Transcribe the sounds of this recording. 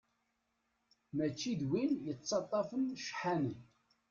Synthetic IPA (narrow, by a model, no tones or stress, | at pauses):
mæt͡ʃːiðwinjət͡sːɑt̪ˤːɑfənʃħanən